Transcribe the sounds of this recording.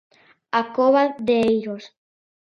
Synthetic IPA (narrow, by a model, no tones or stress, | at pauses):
akoβaðeejɾos